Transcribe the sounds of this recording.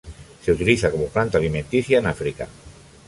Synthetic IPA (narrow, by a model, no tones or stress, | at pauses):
seut̪iliθakomoplant̪alimẽnt̪iθjaenafɾika̰